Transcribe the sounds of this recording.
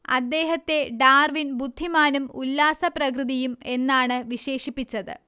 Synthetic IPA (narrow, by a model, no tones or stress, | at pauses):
ɐ̰d̪ːe̞ːɦɐt̪ːe̞ɖaːrʋinbud̪ʱːimaːnumulːaːsɐprɐkrɨðijume̞nːaːɳɨʋiɕe̞ːʂipːit͡ɕːɐðɨ̰